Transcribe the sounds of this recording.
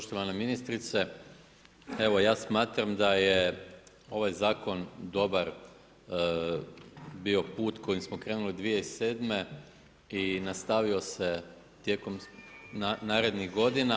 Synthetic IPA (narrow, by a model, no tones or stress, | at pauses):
poʃt̪oʋaneminist̪ɾit̪se | e̞ʋo̞jaːsmaːt̪ɾamd̪aje | o̞ʋajzaːko̞nd̪o̞baɾ | bio̞puːt̪ko̞jimsmokɾe̞ːnulid̪ʋije̞ise̞ːd̪me̞ | inast̪aʋio̞se̞ | t̪jeko̞m | naːɾe̞d̪niɣɡo̞d̪ina